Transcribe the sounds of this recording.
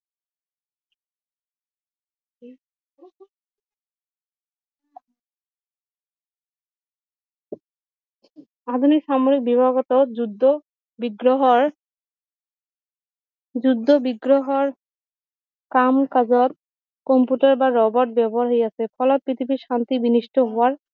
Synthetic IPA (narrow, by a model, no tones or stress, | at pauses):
ad̪ʱunikʃamoɾik̚bibʱaɡɔt̪od͡ʑud̪ʱːo | biɡɾɔɦɔ | d͡ʑud̪ʱːobiɡɾoɦɔɹ | kamkad͡ʑɔt̪̚ | kɔmpuʈaɾbaɾɔbɔʈ̚bɛbɔɦaɾɦojasʰepʰɔlɔt̪̚pit̪ʰipiʃant̪ibiniʃʈɔɦɔwaɹ